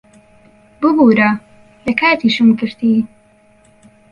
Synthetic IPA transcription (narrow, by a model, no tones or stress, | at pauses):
bɨbuːɾɐ | lɐkaːt̪iʃɨmkɨɾt̪i